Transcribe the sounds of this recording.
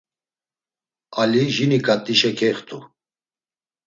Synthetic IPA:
aliʒinikʼat̪ʼːiʃɛkʰɛχt̪ʰʼu

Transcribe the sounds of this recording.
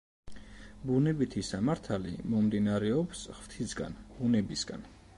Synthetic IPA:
bunɛbit̪ʰisamaɾt̪ʰalḭmɔmd̪inaɾɛɔpsʁv̥t̪ʰisɡa̰nb̥unɛbisɡa̰n

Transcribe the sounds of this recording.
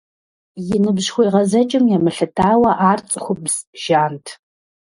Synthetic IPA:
jɪnɨbʑxʷɔjʁɐzɐt͡ʃʼɪmjɛmɨɬɨtʰaːwɐʔaːrt͡sʼxʷʊbz̥ʒ̥aːntʰ

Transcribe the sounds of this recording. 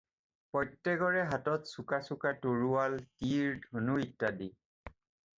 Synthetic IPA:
pɔjtːɛɡɔɹɛɦatɔtsukasukatoɹuwaltiɹdʱonuitːadi

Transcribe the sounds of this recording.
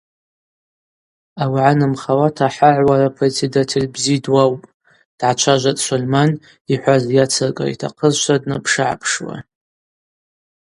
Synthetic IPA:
awʕanɨmχawatʰaħaʕʷwaɾapʰret͡sʰedatʰelʲbzidwawpʼ | d̥ʕat͡ʃʷʰaʒʷatʼsʷolman | iħʷazjat͡sʰɨrkʼa̰ḭtʰa̰qʰəzʃʷadnapʰʂɨʕa̰pʰʂwa̰

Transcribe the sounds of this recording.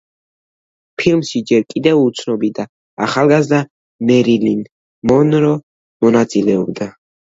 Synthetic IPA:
pʰilmʃid͡ʒɛɾkʼid̪ɛvut̪sʰnɔbid̪a | aχalˠɡazd̪a | mɛɾilin | mɔnɾɔ | mɔnat̪sʼilɛɔbd̪a

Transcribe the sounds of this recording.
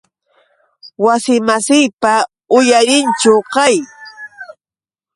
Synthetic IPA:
wasɪmasɪjpa | ʊjaɾɪnt͡ʃʊqɑj

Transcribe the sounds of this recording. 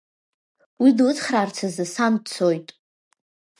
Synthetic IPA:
widlɨt͡sʰʼχraːrt͡sʰazɨsant͡sʰojtʼ

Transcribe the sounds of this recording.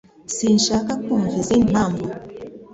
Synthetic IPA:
sin̩ʃakakumvizin̩mambɔ

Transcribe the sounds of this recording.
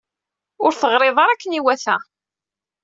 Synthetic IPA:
ʊɾθəʁɾeðˤɑɾˤækːəniwæθæ

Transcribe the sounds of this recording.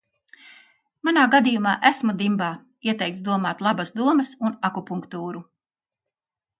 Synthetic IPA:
manaːɡad̪ijumaːʔæsmud̪imbaː | iɛt̪ɛjkt̪d̪uɔmaːt̪lˠabɐsd̪uɔmɐsunakɔpuŋkt̪uːɾu

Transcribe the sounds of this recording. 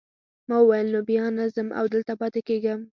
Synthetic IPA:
mɑwəwajəlnobijɑnazəmʔa̰wd̪əlt̪apɑt̪ɪkeɡəm

